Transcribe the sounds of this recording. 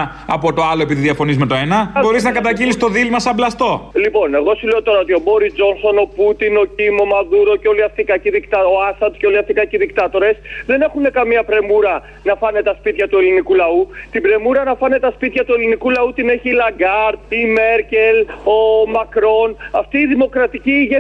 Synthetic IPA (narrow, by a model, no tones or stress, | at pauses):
ɐpo̞t̪o̞ɐlo̞e̞piðiðiɐfo̞nizmet̪oenɐbo̞ɾiznɐkɐt̪ɐɟilist̪o̞ðilmɐsɐblɐst̪o̞lipo̞ne̞ɣo̞sile̞ot̪o̞ɾɐo̞t̪io̞bo̞ɾizd͡zo̞nso̞no̞put̪ino̞cimo̞mɐðuɾo̞ceo̞liɐft̪ikɐciðikt̪ɐo̞ɐsɐd̪ceo̞liɐft̪ikɐciðikt̪ɐt̪o̞ɾe̞sðe̞ne̞xune̞kɐmiɐpɾe̞muɾɐ | nɐfɐne̞t̪ɐspit̪çɐt̪ue̞linikulɐut̪ibɾe̞muɾɐnɐfɐne̞t̪ɐspit̪çɐt̪ue̞linikulɐut̪ine̞çilɐɡɐɾt̪̚ime̞ɾce̞lo̞mɐkɾo̞nɐft̪iːðimo̞kɾɐt̪iciʝe